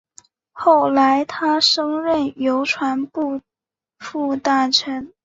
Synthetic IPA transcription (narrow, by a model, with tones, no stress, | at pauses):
xo˥˩ʊla˧˥ɪt̪ʰa˥ʂɤ˥ŋɻə˥˩njo˧˥ʊʈ͡ʂʰwa˧˥npu˥˧ | fu˥˧t̪a˥˩ʈ͡ʂʰə˧˥n